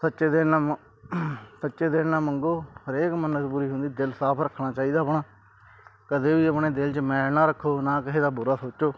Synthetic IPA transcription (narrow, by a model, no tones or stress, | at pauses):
sətːʃeːd̪eːnaː | sətːʃeːd̪eːnnaːməŋɡoːhəɾeːkmənəpuːɾiːɦʊ̃nd̪iːd̪ɪlsaːpʰɾəkʰːɽaːt͡ʃaːiːd̪aːpɳaː | kəd̪eːʋiːəpɳeːd̪ɪlt͡ʃmɛːlnaːɾəkʰːoːnãːkɪɦeːd̪aːbʊɾaːsoːt͡ʃoː